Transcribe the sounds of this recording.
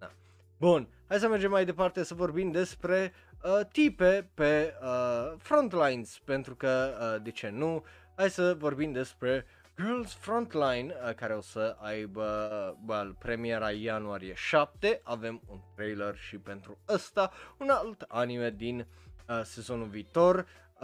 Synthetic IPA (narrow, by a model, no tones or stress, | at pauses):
a̰ | bun | hajs̬əmerd͡ʒe̞mːajd̪epart̪e̞səvo̞rbimd̪e̞spɾe̞ | ət̪ipe̞peəfɾo̞nt̪lajnz̥pe̞nt̪ɾukəd̪et͡ʃe̞nu | hajsəvo̞rbimd̪e̞spɾe̞ | ɡərlsfɾo̞nt̪lajnkaɾeo̞səajbəbəlpɾe̞mie̞ɾajanuaɾije̞ʃap̚t̪e̞ʔave̞munt̪ɾejlorʃipe̞nt̪ɾuəst̪aunalt̪anime̞d̪in | se̞zo̞nuviːt̪o̞r